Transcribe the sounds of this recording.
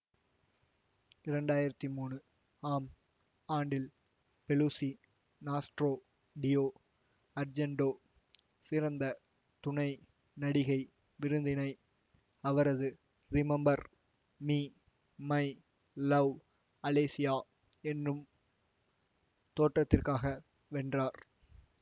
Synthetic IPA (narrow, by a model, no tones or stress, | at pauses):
ɪɾɛɳɖaːjɪɾɐt̪ːimuːɳɯ | aːm | aːɳɖɪl | pɛluːsi | naːsʈɾoː | ɖɪjoː | ɐɾd͡ʒɛɳɖoː | sɪɾɐnd̪ɐ | t̪ʊɳɐɪ | nɐɽɪɣɐɪ | ʋɪɾɯnd̪ɪnɐɪ | ɐʋɐɾɐðɯ | ɾɪmɛmbɐɾ | miː | mɐɪ | lɐʋ | ɐleːsɪjaː | ɛnrɯm | t̪oːʈrɐt̪ːɪrkaːɣɐ | ʋɛɳdraːɾ